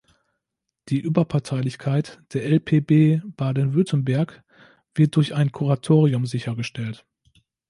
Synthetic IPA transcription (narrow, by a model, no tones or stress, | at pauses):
d̥iːʔyːbɐpʰaɐtʰaɪlɪçkʰaɪtd̥eːɐɛlpʰeːbeːb̥aɐdən̩vʏɐtən̩bɛɐk | v̥ɪɐt̚d̥ʊɐçaɪnkʰuʁatʰoːʁiʊmzɪçɐɡəʃtɛlt